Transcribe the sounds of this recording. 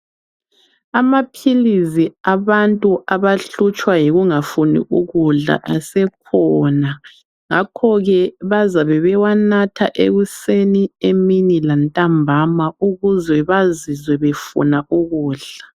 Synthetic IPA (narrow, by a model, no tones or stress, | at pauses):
amapʰiliziaβantʼuʔaβaɬut͡ʃʼwajiɣuŋafunḭʔuɣuɮa̰ʔasɛkʰɔna | ŋakʰɔɣɛβazaβɛβɛwanatʰa̰ʔḛɣusenieminilantʼambʱamauɣuzɛβazizwɛβefṵnaʔuɣuːɮa